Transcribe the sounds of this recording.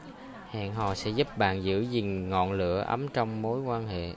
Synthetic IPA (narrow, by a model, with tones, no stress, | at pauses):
ha̰ː˧˨nɦɔ̰˧˨sɛ̰˧˥zu˦˥p̚ɓa̰ː˧˨nzɨ̰˧˥zï˨˩ŋŋɔ̰˧˨nlɨ̰˧˥əʔə˨˦mt͡ɕɔ˧wŋ͡mmo˨˦jkwaː˧nhḛ˧˨